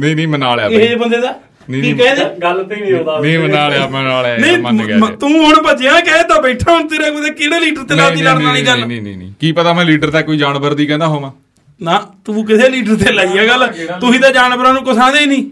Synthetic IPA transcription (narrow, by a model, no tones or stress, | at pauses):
nĩnĩːmənaːlɛeɦebənd̪eːd̪aː | nːiːkɛeːd͡ʒalnːmənaːlẽːnaːlɛnəĩməɡt̪ũːɦʊɳbət͡ʃɪjãːkɛːt̪aːbɛːʈʰaːʊnt̪eːɾeːkod̪eːkɪɽeːliːʈəɾt̪eːnaːd̪iːlaɾnaːliːɡənːnḭːnḭ̃ːkiːpət̪aːmɛ̃ːliːʈəɾt̪ɛːkoːiːd͡ʒaːnbəɾd̪iːkɛ̃ːnd̪aːɦoːmãː | naːt̪ũːk̬ɪseːliːʈəɾt̪eːlaːiaːɡəlʊsĩːd̪aːd͡ʒaːnbəɾaːnũːkəsãːd̪eːiːnĩː